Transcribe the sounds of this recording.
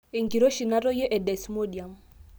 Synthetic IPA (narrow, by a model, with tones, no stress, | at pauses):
e˨ŋki˨ɾo˦ʃi˨na˦ɾɔ˦jɛ˦ʔɛ˨dɛ˨smo˦di˨a˨m